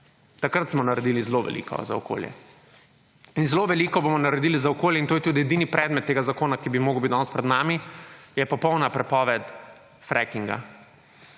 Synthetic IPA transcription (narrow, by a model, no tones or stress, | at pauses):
t̪akɾat̪smɔnaɾɛd̪ilizloʋɛ̰lḭːkʰɔ̰za̰ɔko̰ːljɛ̰ | inzloʋɛlikɔbomɔnaɾɛd̪iːlizaɔkoːljɛint̪oːjɛt̪uːd̪ijɛd̪inipɾʔɛːd̪mɛt̪ːeːɡazakoːnakibimoːɡəwbit̪ɔnspɾɛd̪namijɛpɔpɔwnapɾɛpɔːʋɛt̪ | fɾʔɛkiŋɡa̰